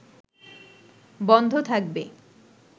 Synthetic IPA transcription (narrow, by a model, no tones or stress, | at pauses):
bɔnd̪ʱot̪ʰak̚be